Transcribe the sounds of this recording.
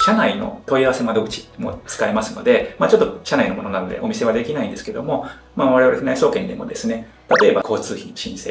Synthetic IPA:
ɕanaino̞̰t̪o̞iaβase̞mad̪o̞ɡɯ̟t͡ɕi̥mo̞̰t͡sɨ̥kaemasɨno̞d̪e̞maːt͡ɕot̪ːoɕanaino̞mo̞no̞nano̞d̪e̞ʔo̞mise̞βad̪e̞kʲinaĩnd̪esɨ̥ke̞d̪o̞mo̞ | maβaɾe̞βaɾenaiso̞ːkẽ̞nd̪e̞̰mo̞̰d̪e̞sɨne̞ | t̪at̪o̞ːbakʰo̞ːt͡sɨːçĩnoɕĩɰ̃se̞ː

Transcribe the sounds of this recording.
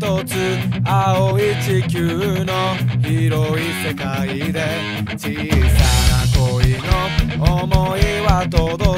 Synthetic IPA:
t̪ot͡sɨaoit͡ɕikʲɨno̞çiɾo̞ise̞kaid̪e̞ | t͡ɕiːsanakoino̞ːmoiβat̪od̪o

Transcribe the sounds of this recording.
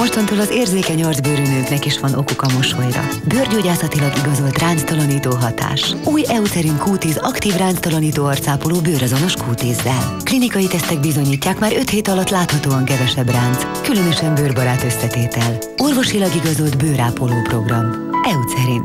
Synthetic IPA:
mo̞ʃt̪ont̪oːlɒzeːrzeːkɛɲɒrzbøːɾynøːknɛkiʃʋɒnʔo̞kokɒmo̞ʃojrɒ̰børɟoːɟaːsɒt̪ilɒɡiɡɒzolt̪raːnt̪st̪ɒlɒniːt̪oːɦɒt̪a̰ːʃuːjɛut̪sɛɾiŋkuːt̪izɒkt̪iːvraːnt̪st̪ɒlɒniːt̪oːɒrt̪saːpoloːbøːɾɒzo̞no̞ʃkuːt̪izːɛlklinikɒjit̪ɛst̪ɛɡ̚bizo̞ɲiːcːaːkmaːɾø̞t̪heːt̪ɒlɒt̪ːlaːt̪hɒt̪oːɒŋkɛvɛʃɛbraːnd̪z | kylø̞nø̞ʃɛmbøːrbɒɾaːt̪ø̞sːɛt̪eːt̪ɛl | o̞rvo̞ʃilɒɡiɡɒzo̞ld̪bøːɾaːpoloːpro̞ɡrɒm | ɛut̪sɛɾin

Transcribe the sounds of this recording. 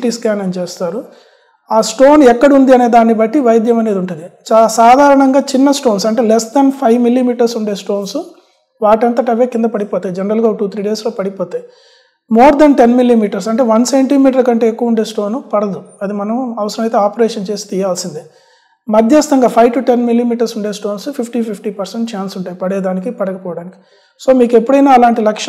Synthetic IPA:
ʈiːskaːnent͡ʃeːst̪aːɾu | aːsʈoːnɛkːɐɽiund̪iɐne̞ːd̪aːnːibɐʈːiʋɐjd̪jɐmɐne̞ːd̪uɳʈund̪it͡ʃasaːd̪ʱaːɾɐɳɐŋɡaːt͡ʃinːɐsʈo̞ːnsɐɳʈe̞ːlɛsd̪ɐnpʰɐjʋmilːiːmiːʈɐɾsuɳɖe̞ːsʈo̞ːnsu | ʋaːʈɐnt̪ɐʈɐʋeːkind̪ɐpɐɽipɔːt̪aːjid͡ʒɛnɐɾɐlɡaːʈuːt̪ʰɾiːɖe̞ːsloːpɐɽipoːt̪aːji | moːɾd̪ɐnʈenmilːiːmiːʈɐɾs̬ɐɳʈe̞ːʋɐnse̞ɳʈiːmiːʈ̬ɐɾkɐɳʈe̞ːekːuʋɐuɳɖe̞ːsʈo̞ːnupɐɽɐd̪uɐd̪imɐnɐmɐʋɐsɐɾɐmɐjt̪̬e̞ːaːpɐɾeːʂɐnt͡ʃe̞ːsi̥t̪ijaːlsind̪i | mɐd̪ʱjɐst̪ɐŋɡaːpʰɐjʋʈuʈenmilːiːmiːʈɐɾsuɳɖeːsʈo̞ːnspʰipʰʈiːpʰipʰʈiːpɐɾseɳʈt͡ʃaːnsuɳʈaːjipɐɽɛːd̪aːnikipɐɽɐkɐpɔːʋɐɽaːniki̥ | so̞ːmiːkepːuɽɐjnaːɐlaːɳʈilɐkʂ

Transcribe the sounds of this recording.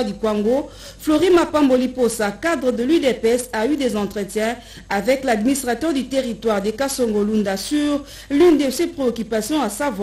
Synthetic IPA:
d̪ykwaŋɡo | floʁĩmapãmboliposakad̪ʁəd̪əlyd̪epɛsayd̪ezɑ̃t̪χət̪jɛ̃ | avɛklad̪minist̪ʁat̪œʁd̪yt̪eʁit̪waʁd̪ekasoŋɡolũnd̪asyʁ | lynd̪əsepχeokypasjɔ̃asav

